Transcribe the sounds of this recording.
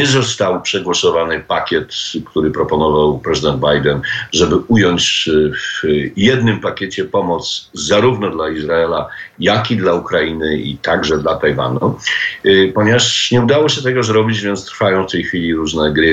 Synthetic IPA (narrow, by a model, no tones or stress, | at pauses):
ɛzɔst̪awpʂɛɡwɔsɔvanɘpakʲɛt̪kt̪uɾɘpɾɔpɔnɔvawpɾɛzɘd̪ɛnd̪̚bajd̪ɛnʐɛbɘujɔɲt͡ɕvjɛd̪nɘmpakʲɛt͡ɕɛpɔmɔt̪szaɾuvnɔd̪laizɾaɛlajakid̪laukɾainɘḭt̪aɡʐɛd̪lat̪ajva̰nu | pɔɲɛvaʂɲɛud̪awɔɕɛt̪ɛɡɔzɾɔbʲid͡ʑvʲjɛnt̪st̪ɾfajɔ̃w̃ft̪ɛjxfʲilʲiɾuʐnɛɡɾɘ